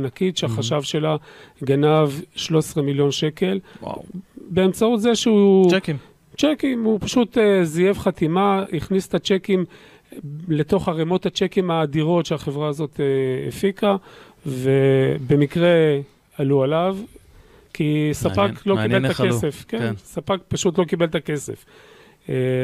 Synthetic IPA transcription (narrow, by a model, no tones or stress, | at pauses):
nakitʃeaχaʃavʃe̞laɡanavʃlo̞esʁemiljo̞nʃe̞ke̞lw̰beːmt͡saut̪zeʃeu | t͡ʃekimhupaʃut̪ezijevχat̪imaiχnist̪at͡ʃekim | le̞to̞χaʁemo̞t̪hat͡ʃekimaːd̪iʁo̞tʃeaχevʁaːzo̞t̪eḛfika | ve̞be̞mikʁe̞ | alualav | kisapaklokieltakesefkensapak̚paʃutlo̞kibelt̪ake̞se̞̰f | e